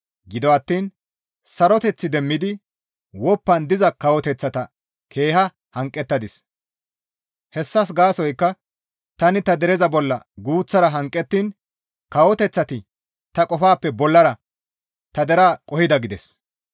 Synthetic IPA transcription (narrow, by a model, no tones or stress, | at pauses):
ɡɪd̪ɔɐt̪ːiːn | sɐɾɔt̪ɛt͡sːɪd̪ɛmːɪd̪ɪ | wɔpːɐnd̪ɪzɐkɐwɔt̪ɛt͡sːɐt̪ɐ | kʰe̞ːhɐ | hɐŋkʼːɛt̪ːɐd̪ɪs | hɛsːɐs̬ɡaːsɔjkːɐ | t̪ɐnɪt̪ɐd̪ɛɾɛzɐbɔlːɐ̰ɡuːt͡sːɐɾɐɦɐŋkʼːɛt̪ːiːn | kɐwɔt̪ɛt͡sːɐt̪ɪ | t̪ɐkʼɔfaːpːɛbɔlːɐɾɐ | t̪ɐd̪ɛɾaːkʼɔhɪd̪ɐɡɪd̪ɛs